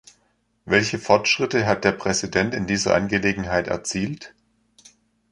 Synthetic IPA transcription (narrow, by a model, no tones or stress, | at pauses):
vɛlçəfɔɐtʃʁ̥ɪtəɦat̚d̥eːɐpʁ̥ɛzidɛntɪndiːzɐ̰ʔanɡəleːɡŋ̩ɦaɪtɛ̰ɐt͡siːlt